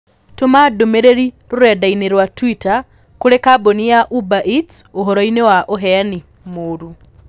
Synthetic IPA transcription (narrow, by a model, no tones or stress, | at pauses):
tomadomeɾeɾiɾoɾɛdaineɾwatwita | koɾekabonijaʔubaʔitoɦɔɾɔinewaʔoɦɛani | moːɾu